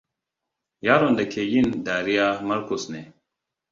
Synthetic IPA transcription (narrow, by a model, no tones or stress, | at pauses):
jaːɾond̪ekʰejind̪aːɾijamɐɾkusne